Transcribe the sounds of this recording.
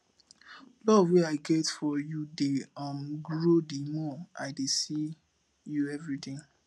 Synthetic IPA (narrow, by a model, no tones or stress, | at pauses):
lɔvweaɪɡɛtfɔjudeʌ̃mɡɹodemɔaɪdesi | juɛvɹitĩŋ